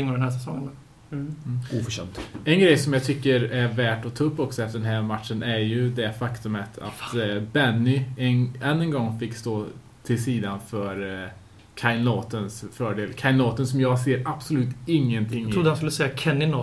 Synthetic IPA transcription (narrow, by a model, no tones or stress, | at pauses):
ɪŋːɔd̪ɛnhæsɛsɔŋːənː | uːfœɕɛ̰nt̪ɛnɡɾɛjsɔmjɑːt̪ʰʏkːəɾæɾvæːʈɔt̪ʰɑːɵpːɔksɔɛft̪əɖɛnɦæːɾmat̪ʂənʔæɾjɵd̪ɛfakt̪ɵmət̪ʰa̰t̪bɛnːɪɛɛnːənɡɔŋːfɪkːst̪oː | t̪ʰɪlsiːd̪anfœɾ | kʰaɪnɔːt̪ənsfœːɖeːlkʰaɪnɔːt̪ənsɔmjɑːɡseːɾab̥sʊlʉ̟ːt̪ɪŋːənt̪ʰɪŋːɾud̪əhanskɵlːəsɛjakʰɛnːɪnɔ